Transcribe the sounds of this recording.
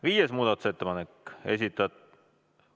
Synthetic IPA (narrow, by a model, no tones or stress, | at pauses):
viːjesmuːd̪̥ɑt̪ˑu̥se̞t̪ːepɑneke̞̰s̬ʲit̪ːˑɑt̪